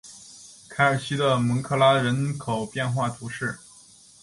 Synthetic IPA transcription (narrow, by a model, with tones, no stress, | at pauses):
kʰa˧˥ə˞˨˩ɕi˥d̪ə˨mɤ˧˥ŋkʰɤ˥˩la˥ɻə˧˥nkʰo˨˩ʊpjɛ˥˧nxwa˥˩t̪ʰu˧˥ʂɻ̩˥˩